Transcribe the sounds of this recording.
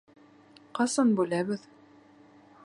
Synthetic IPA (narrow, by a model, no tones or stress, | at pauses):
qɑsɑnbʉlæβɘð